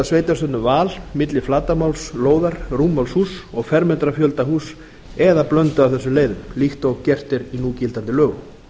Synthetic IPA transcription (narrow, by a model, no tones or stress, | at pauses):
asveːjt̪ast̪ʏt̪nʏvaːlmɪt̪lɪflaːt̪amawlsloːwðaɾruːmalshuːsɔɣfɛɾmɛnt̪ɾafjœlt̪aɦuːs | ɛðaplœnt̪ʏawθɛsːʏmleːjðʏmlixt̪ɔɣcɛr̥t̪ɪɾinuːcɪlt̪ant̪ɪlœːɣʏm